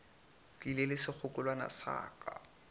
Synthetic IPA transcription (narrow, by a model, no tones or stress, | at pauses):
dilelɪsɪk͡xʰʊkʼʊlwana̰sa̰ːka̰